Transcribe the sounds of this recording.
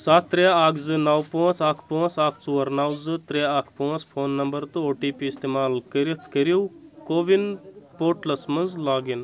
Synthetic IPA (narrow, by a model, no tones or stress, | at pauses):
saːt̪ːɾeaːkʰzɨnaːwpõːt͡saːkʰpõːt͡saːkʰt͡suːɐɾnaːwzɨt̪ɾeaːkʰpot͡spʰoːnːɐmbɐɾt̪ooːʈiːpiist̪eːmaːlkəɾit̪ʰkəɾiwkoːʋinpoːʈlɐsmɐnzlaːɡin